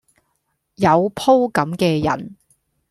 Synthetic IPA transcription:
jɐ˨˧wpʰo˥wkɐ˨˥mkɛː˧jɐ̰˨˩n

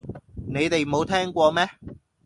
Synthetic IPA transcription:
ne˨˧jt̪e˨jm˨o˨˧wt̪ʰɛː˥ŋkʷɔː˧mɛː˥

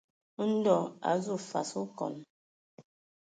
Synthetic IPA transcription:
n̩˦dɔ˦˨a̰˨zu˦˨fa̰˨su˦kɔ̰˨n

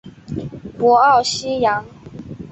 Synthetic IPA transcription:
pwɔ˧˦ɑ˥˨ʊɕi˥˦ja˧˦ŋ

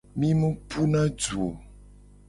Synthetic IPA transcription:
mĩ˦mũ˦pʰu˦nã˦d͡ʒu˨o˨

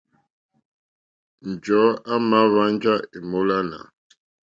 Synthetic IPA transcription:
n̩˨d͡ʒɔ˨˦a˦ma˨˦βa˦n˦d͡ʒa˦e˨mo˦la˦na̰˨

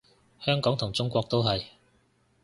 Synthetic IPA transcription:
hœː˥ŋkɔː˨˥ŋt̪ʰʊ˨˩ŋt͡sʊ˥ŋkʷɔː˧k̚t̪o˥wɦɐ˨j

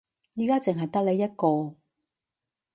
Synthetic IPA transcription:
jiː˨˧kaː˥t͡sɪ˨ŋɦɐ˨jt̪ɐ˥k̚le˨˧jɐ˥t̚kɔː˧

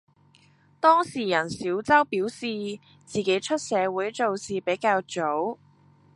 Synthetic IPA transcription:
t̪ɔː˥ŋsiː˨˩jɐ˨˩nsiː˨˥wt͡sɐ˥wpiː˨˥wsiː˨ | t͡siː˨ke˨˧˥jt͡ʃʰɵ˥t̚sɛː˨˧wuː˨˥jt͡so˨˧wsiː˨˩pe˨˥jkaː˧wt͡ʃo˨˥w

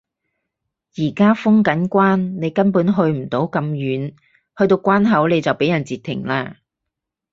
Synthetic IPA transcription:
jiː˨˩kaː˥fʊ˥ŋkɐ˨˥nkʷaː˥nne˨˧jkɐ˥npuː˨˥nɦɵ˧ɥm̩˨˩t̪o˨˥wkɐ˧mjyː˨˥n | hɵ˧ɥt̪o˧wkʷaː˥nɦɐ˨˥wle˨˧jt͡sɐ˨wpe˨˥jɐ˨˩nt͡siː˨t̪ʰːɪ̰˨˩ŋlaː˧

